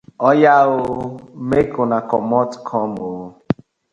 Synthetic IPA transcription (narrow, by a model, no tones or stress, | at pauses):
ɔjaɣʊmekʊnakɔmɔtkʰɔmoo